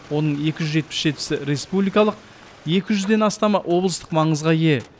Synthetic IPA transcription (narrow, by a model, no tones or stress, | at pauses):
wo̞nəɴje̞kʲɪʒʏzʒe̞t̪̚pɪsʒe̞t̪ɪ̥sɪɾe̞spublijkɑlˠəq̚ | je̞kʲɪʒʏzd̪e̞nɑst̪ɑmɑʔwʔo̞blˠəst̪əqmɑɴəzʁɑje̞